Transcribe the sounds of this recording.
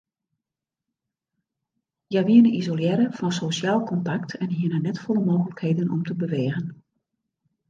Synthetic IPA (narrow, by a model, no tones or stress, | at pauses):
jaʋiənəizoljɛːɾəfɔnsosjaːlˠkɔntaktʰɛnɦiənənɛtfɔləmoːɣələkheːdənɔ̰mtəbəʋeːɣən